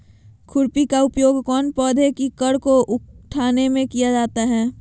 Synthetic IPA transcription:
kʰʊɾpikaʊpjoːɡkɔːnpɔːd̪ʱekikəɽkoʔʊʈʰaːnemẽkijad͡ʒaːt̪aɦɛː

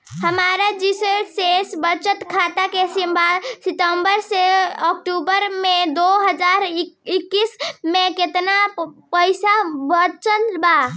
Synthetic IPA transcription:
həmaːɾad͡ʒisəsesbəɾt͡ʃət̪kʰat̪akesimbʱasɪʈ̪əmbəɾseɔkʈubəɾmẽd̪oɦəd͡ʒaɾɪkːismẽket̪napəɪsabəɾt͡ʃənba

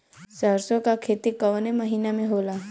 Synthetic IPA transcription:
səɾsõkakʰet̪ikəʋneməɦiːnamẽɦoːla

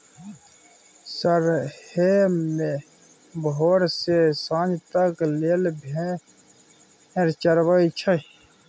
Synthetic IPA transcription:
səɾheme | bɦoːɾsesãːnd͡ʒt̪ɐkleːlbʱe | eɾt͡ʃɐɾwait͡ʃʰɐ

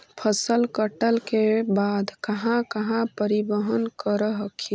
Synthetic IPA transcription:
pʰəsəlkəʈəlkebad̪kəɦãkəɦãpəɾibəɦənkəɾəɦəkʰi

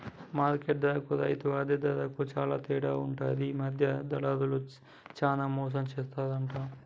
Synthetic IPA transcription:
maːɾkeʈ̚d̪ɐkuɾɐ̰jit̪uʋaːd̪ed̪ɐɾɐkut͡ʃaːlaːt̪iːɽaːuɳʈaːd̪imɐd̪ʱjɐd̪ɐlaːd̪ulu | t͡ʃaːnaːmɔːs̬ɐmt͡ʃeːst̪aːd̪ɐɳʈaː

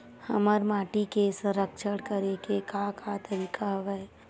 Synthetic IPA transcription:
həməɾmaːʈikesʊ̃ɾəkʃəɽkəɾekekakʰat̪əɾiːkʰaɦʋɛ

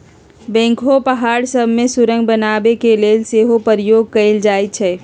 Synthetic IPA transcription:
bɛ̃ːŋkʰopəɦaːɾsəbʱmesʊɾə̃ŋɡbənaːbekeleːlseːɦopəɾijoːɡ̚kəld͡ʒaːjt͡ʃʰɛː

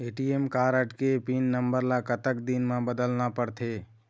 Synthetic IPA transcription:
eʈiemkaɾəʈkepinːəmbəɾlakət̪əkd̪inmẽbəd̪əlnapəɽt̪ʰe

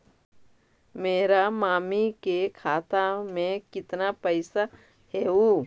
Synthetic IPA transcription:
meːɾamaːmikekʰaːt̪amẽkɪt̪napɛɪsa | ɦɛuː

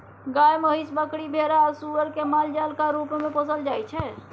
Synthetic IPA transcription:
ɡaːjməɦisbəkɽibʱeːɾaɔːɾsuʋəɾkemaːld͡ʒalkaɾuːpmẽpəsəld͡ʒaːjt͡ʃʰɛ

